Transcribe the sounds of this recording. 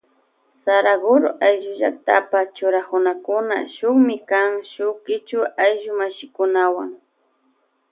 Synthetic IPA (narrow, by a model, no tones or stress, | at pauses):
saɾaɡʊɾoʔajʒʊʒa̰k̚t̪a̰pat͡ʃʊɾakʊnakʊna̰ʃʊχmɪkaŋʃʊkɪt͡ʃʊʔajʒʊmaʃɪkʊnawaŋ